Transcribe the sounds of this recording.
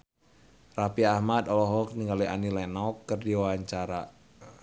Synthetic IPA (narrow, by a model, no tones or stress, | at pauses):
rapiahmad̪ɔlɔɦɔk̚niŋɡaliʔa̰nilɛnaɔkːərdiwawaɲt͡ʃaɾa